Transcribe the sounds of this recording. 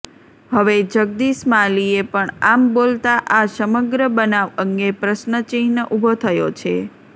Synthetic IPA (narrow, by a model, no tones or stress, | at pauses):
ɦəʋed͡ʒəɡ̚d̪iʃmaliepəɳambolt̪aʔasəməɡɾəbənaʋəŋɡepɾəʃnət͡ʃĩɦnəʔubʱot̪ʰəjot͡ʃʰe